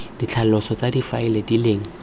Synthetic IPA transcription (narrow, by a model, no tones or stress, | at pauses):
d̥it͡ɬʰal̩lɔsɔt͡sadifaɪledileːŋ̩